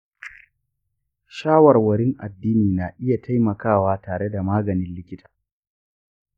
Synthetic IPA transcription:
ʃaː˦wɐ˨rwɐ˨ɽɪ˦ŋʔa̰˨dːiː˦niː˨na˨ʔɪ˦ja˨tʰa˦jmɐ˨kaː˦˨waː˦taː˨ɽe˦da˨maː˦ɡɐ˨nɪ˦nlɪ˦kʲɪ˦tʰḁː˨

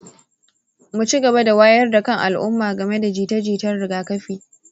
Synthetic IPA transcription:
mu˨t͡ʃi˦ɡɐ˨ba˦da˨waː˦jɐ˦rda˨kɐ˦ŋʔa˨lʔʊ˦mːaː˨ɡɐ˨me˦da˨d͡ʒiː˨tɐ˦d͡ʒiː˨tɐ˦rɽɪ˨ɡaː˦kɐ˦ɸiː˨

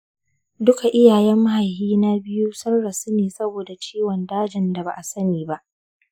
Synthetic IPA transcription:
dʊ˦ka˨ʔɪ˦jaː˨jɛ˦mːa˦ha˨jhiː˦na˦bɪ˦ju˦sɐ˦rːa˨su˦neː˨sɐ˦boː˨da˨t͡ʃeː˦wɔ˨ndaː˦d͡ʒɪ˨nda˨ba̰˨ʔa˨sɐ˦niː˨ba˦ʔ

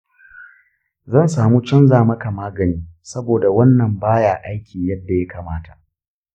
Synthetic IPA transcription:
zɐ˦˨nsaː˨muː˦t͡ʃɐ˦nzaː˨mɐ˦ka˨maː˦ɡɐ˨niː˦sɐ˦boː˨da˨wɐ˦nːɐ˨mbaː˦jaː˨ʔa˦jkʲʰiː˨jɐ˦dːa˨ja˦ka˨maː˦tʰḁ˨ʔ

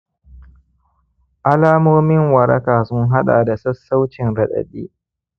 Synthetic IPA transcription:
ʔa˦laː˦moː˦mɪ˦ŋwɐ˨ɾɐ̰˦kaː˨sʊ˦ŋɦa˦ɗa̰ː˨da˨sɐ˦sːa˦wt͡ʃɪ˨nɾɐ˨ɗɐ̰˨ɗiː˦

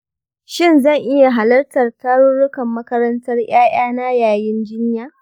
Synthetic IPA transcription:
ʃɪ˦nzɐ˦˨ŋʔɪ˦ja˨ɦa˨lɐ˦rtɐ˨rtaː˦ɽʊ˦ɽʊ˦kɐ˨mːɐ˦kɐ˦ɾɐ˦ntɐ˦rj̰aː˦j̰aː˦na˦jaː˨jɪ˦nd͡ʒɪ˦ɲjaː˦

